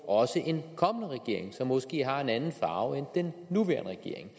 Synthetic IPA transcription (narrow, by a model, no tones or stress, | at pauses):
ɒ̽səʔe̝nkʰɒ̽mənəʁɛɡ̥e̝ɐ̰eŋsɒ̽mːɔ̽sɡ̥e̝̰ːɦɑ̈e̝nænn̩fɑ̈ːʊend̥enːuʋæ̰ɐnəʁɛɡ̥e̝ɐ̰e̝ŋ